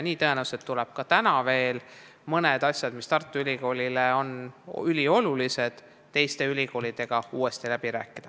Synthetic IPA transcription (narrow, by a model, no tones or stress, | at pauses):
niːt̪ɤe̞næwuset̪ːulɛb̥̚kɑt̪ænɑve̞ːl | mɤned̪ɑsʲjɑd̪̥mist̪ɑrt̪ːˑuylʲiko̞ːlʲileo̞nylʲio̞lulise̞d̪̥ | t̪e̞jst̪e̞ylʲiko̞ːlid̪̥e̞ɡ̥ɑuːwe̞st̪ilæb̥iɾæ̰ːkˑːid̪̥ɑ